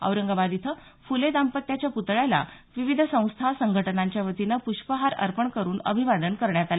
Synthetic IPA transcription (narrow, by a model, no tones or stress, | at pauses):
ə̰wɾəŋɡabad̪it̪ʰə | fuled̪ampət̪jat͡ɕjaput̪ɭala̰ | ʋiʋid̪ʱəsə̃w̃st̪ʰasəŋɡʱəʈənaɲt͡ɕjaʋət̪inəpuɕpəɦaɾə̰ɾpəɳkəɾuːnə̰bʱiʋad̪ənkəɾɳjat̪ala